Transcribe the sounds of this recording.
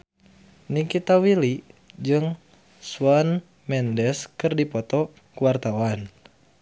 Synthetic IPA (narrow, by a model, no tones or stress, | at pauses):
nikit̪awilid͡ʒɨŋ | swan | mɛndɛskɨrdipɔt̪ɔ | kuwart̪awan